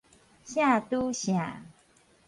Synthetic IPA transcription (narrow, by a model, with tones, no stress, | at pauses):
ɕa˥tu˦ɕja˨